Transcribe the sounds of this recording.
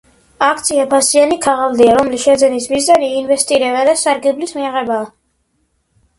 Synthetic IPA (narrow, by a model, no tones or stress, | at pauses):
akʰt̪sʰiapʰasianikʰaʁalˠd̪iaɾɔmlisʃɛd̪zɛnismizaniːnvɛst̪ʼiɾɛβad̪asaɾɡɛblismiaʁɛbaː